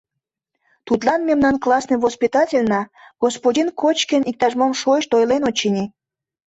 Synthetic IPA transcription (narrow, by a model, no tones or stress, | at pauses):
t̪ut̪lɑnmemnɑnklɑsnɨjvospʲit̪ɑtʲelʲnɑ | ɡ̥ospodʲinkʰot͡ɕkənʲik̚t̪ɑʒmomʃojʃt̪ojlenot͡ɕːinʲi